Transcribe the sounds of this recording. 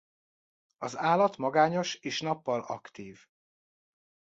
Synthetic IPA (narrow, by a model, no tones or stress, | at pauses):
ɒzaːlɒt̪mɒɡaːɲo̞ʃeːʃn̪ɒpːɒlɒ̰kt̪iːv